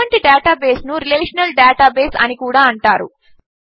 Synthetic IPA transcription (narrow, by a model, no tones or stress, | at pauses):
ɐɳʈiɖeːʈaːbe̞ːsnuɾileːʂɐnɐlɖɛːʈaːbeːsɐ̰nikuːɽaːɐɳʈaːɾṵ